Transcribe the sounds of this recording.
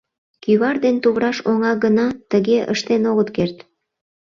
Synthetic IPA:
kyβɑrd̪ent̪uβɾɑʃoŋɑɡənɑt̪əɣeʔə̰ʃt̪enoɣət̪kert̪

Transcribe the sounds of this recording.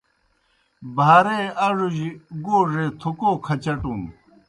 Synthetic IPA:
bʱaːɾeɐʐuʑiɡoːʐet̪ʰukoːkʰɐt͡ɕɐʈũm

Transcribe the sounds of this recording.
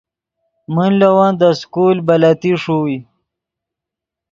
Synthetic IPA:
munlawãnd̪əskulbalat̪iʂuwi

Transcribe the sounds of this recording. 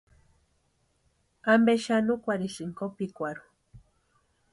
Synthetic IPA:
ambeʃanukʷaɾiʃiŋkopikʷaɾu̥

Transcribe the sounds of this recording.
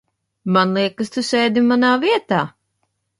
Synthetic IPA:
manlˠiɛkɨst̪usʲɛːd̪imanaːviɛt̪aː

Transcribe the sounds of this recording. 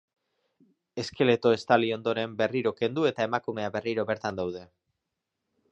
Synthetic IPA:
e̞ske̞le̞t̪o̞e̞st̪alio̞nd̪o̞ɾe̞mbe̞riɾo̞ke̞nd̪ue̞t̪ae̞makume̞aβe̞riɾo̞βe̞ɾt̪and̪awðe̞

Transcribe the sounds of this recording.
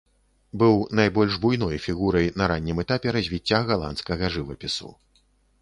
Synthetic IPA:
bɨwnajbɔlʲʐbujnɔjfʲiɣuɾɐjnɐɾanʲːimɛt̪apʲɛɾɐzʲvʲit͡sʲːaɣalˠa̰nt̪skɐɣɐʐɨvɐpʲisṵ

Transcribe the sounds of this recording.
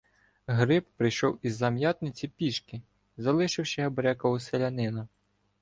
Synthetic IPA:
ɦɾɪppɾɪjʃɔwizːɐmjɑt̪nɪt͡sʲipʲiʃkɪ | zɐlˠɪʃɪwʃɛɦɐbɐɾʲakɔɦɔselʲɐnɪnɐ

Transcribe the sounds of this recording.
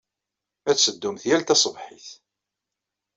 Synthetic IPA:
æt͡ssəd̪ːumθjælt̪æsˤvħiθ

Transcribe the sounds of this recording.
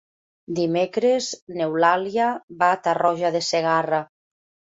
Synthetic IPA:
d̪imekɾeznewlaljaβaːt̪arɔʒaðeseɣ̞ara

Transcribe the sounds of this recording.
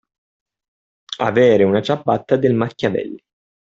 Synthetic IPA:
a̰vɛːɾeunat͡ʃabːat̪ːad̪elmakːavɛ̰lː

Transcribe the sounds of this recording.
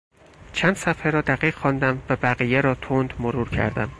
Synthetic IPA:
t͡ʃʰænd̪sæfheɾɒːd̪æɢiːɣ̥xɒːnd̪æmvæbæɣijeɾɒːt̪ʰond̪moɾuːɾcʰæ̰ɾd̪æ̰m

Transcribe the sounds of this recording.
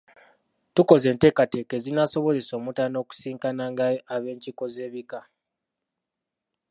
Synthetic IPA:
tuko̞ze̞ːnte̞ːkate̞ːke̞zinaso̞βo̞ze̞so̞ːmutano̞ku̥siːŋkanaːŋɡaaβe̞ːɲciko̞ze̞ːβika

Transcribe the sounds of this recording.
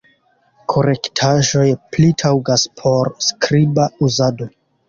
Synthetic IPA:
kʰo̞ɾe̞ktʰaʒo̞jplitʰawɡaspʰo̞ɾskɾibauzado̞

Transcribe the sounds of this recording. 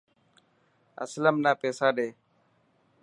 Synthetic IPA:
ə̰sləmnaːpeːsaːɗeː

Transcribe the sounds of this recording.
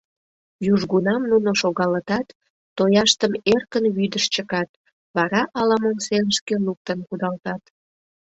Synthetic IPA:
juʒɣunɑmnunoʃoɣɑlət̪ɑt̪ː | ojɑʃt̪əmerkənβyd̪əʃt͡ɕəkɑt̪̚ | βɑɾɑʔɑlɑmonseləʃkeluk̚t̪ənkud̪ɑlt̪ɑt̪

